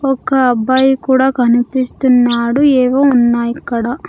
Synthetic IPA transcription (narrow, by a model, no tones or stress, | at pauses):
ɔkɐːbaːjikuːɽaːkɐnipist̪unːaːɽueːʋoːunːaːjikːɐɽa